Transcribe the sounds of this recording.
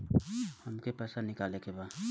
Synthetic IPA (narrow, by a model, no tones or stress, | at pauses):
hɐmkepɛːsanɪkaːlekeba